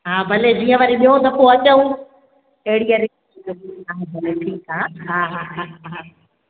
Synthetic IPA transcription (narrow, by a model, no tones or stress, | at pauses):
ɦaːbʱɐled͡ʑiːə̃ʋaɾiɓiɦõt̪ɐpoɐt͡ɕəũ | ɐɦɪɽijaɾi | ɦaːbʱɐleʈʰiːkɦaːɦaːɦaːɦaːɦaɦaː